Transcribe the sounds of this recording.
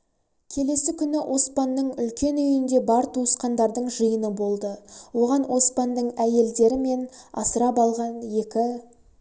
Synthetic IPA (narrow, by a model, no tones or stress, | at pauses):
kʲʰe̞le̞sɪkʲʰʏnɪwʔo̞spɑnːəɴʏlkʲe̞nʏjɪnd̪e̞bɑɾt̪ʰuəsqɑnd̪ɑɾd̪əɴʒəjənəbo̞lˠd̪əwo̞ʁɑnwʔo̞spɑnd̪əɴæje̞ld̪e̞ɾɪme̞nɑ̰səɾɑpɑlˠʁɑnje̞kʲɪ